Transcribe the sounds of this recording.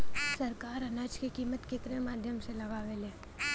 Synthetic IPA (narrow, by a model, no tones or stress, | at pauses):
səɾkaːɾɐnaːd͡ʒkikiːmət̪kek̪ɾemaːd̪ʱjəmselɐʋaːʋeleː